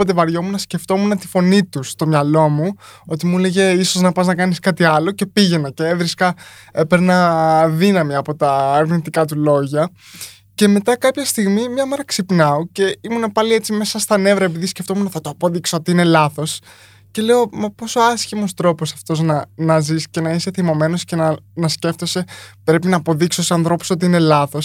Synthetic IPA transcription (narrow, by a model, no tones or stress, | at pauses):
ot̪̬evɐɾʝo̞munɐsce̞ft̪o̞munɐt̪i̥fo̞nit̪ust̪o̞mɲɐlo̞muo̞t̪imule̞ʝe̞iso̞znɐpɐznɐkɐniskɐt̪iɐlo̞ce̞piʝe̞nɐceevɾiskɐepeɾnɐðinɐmiɐpo̞t̪ɐːɾɣnit̪ikɐt̪̬ulo̞ʝɐ | ce̞me̞t̪ɐkɐpçɐst̪iɣmimɲɐme̞ɾɐksipnɐoce̞imunepɐlie̞t͡sime̞sɐst̪ɐne̞vɾɐepiðisce̞ft̪o̞munɐθɐt̪oɐpo̞ðiksoo̞t̪iine̞lɐθo̞s | ce̞le̞o̞me̞po̞so̞ɐsçimo̞st̪ɾo̞posɐft̪o̞znɐnɐzisce̞nɐise̞θimo̞me̞no̞sce̞nɐnɐsce̞ft̪o̞se̞pɾe̞pinɐːpo̞ðiksoosɐnθɾo̞pu̥so̞t̪̬iine̞lɐθo̞s